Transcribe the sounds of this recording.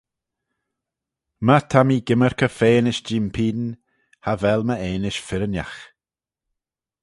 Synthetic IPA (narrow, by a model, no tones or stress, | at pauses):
mət̪ʰamiːɡɪməɹkəfeːnɪʃd͡ʒimpʰiːdn | havɛlməeːnɪʃfɪɾənja̰x